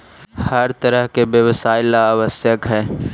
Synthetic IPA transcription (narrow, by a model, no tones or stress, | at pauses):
hɐɾt̪ɐɾəɦkebjəʋsaːɪlaːʋəsjəkɦɛː